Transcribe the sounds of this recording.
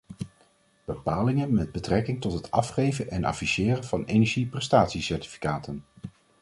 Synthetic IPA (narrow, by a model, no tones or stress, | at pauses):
b̥əpaːlɪŋənmɛd̚bətrɛkɪŋtɔtɦətʰɑfχejvənʔɛnɑ̰fisɪːrənvɑnejnɛɹʒiprɛstaːtsisɛɹti̥fi̥kaːtən